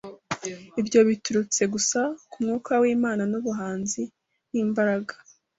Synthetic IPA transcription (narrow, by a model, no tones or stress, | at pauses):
ibjo̞βituɾut͡se̞ɡusakumŋuːkawiːmaːnanuβuɦaːnzi | niːmbaɾaɡḁ